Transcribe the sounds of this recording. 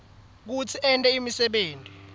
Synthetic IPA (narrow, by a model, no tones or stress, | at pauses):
k̬ut͡sʰiɛntʼɛimisɛɓeːntʼi